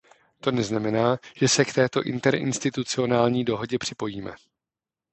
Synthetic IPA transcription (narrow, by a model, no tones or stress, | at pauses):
t̪o̞nɛznamɛnaːʒ̥ɛsɛkt̪ɛːt̪o̞ʔɪ̰nt̪ɛɾɪ̰nst̪ɪt̪ut͡sɪo̞naːlɲiːdo̞ɦo̞ɟɛpr̝̥ɪpo̞jiːmɛ̰